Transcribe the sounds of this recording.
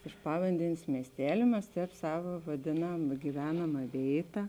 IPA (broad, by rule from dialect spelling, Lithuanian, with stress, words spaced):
ɪʃ ˈpɑːʋɐnʲdʲɛnʲeːs ˈmʲiɛsʲtʲɛlʲeː ˈmʲɛs ˈtʲɛːp ˈsɑːʋɐ ʋɐˈdʲeːnɐm ɡʲɪˈʋʲæːnɐmɐ ˈʋʲeːɪtɐ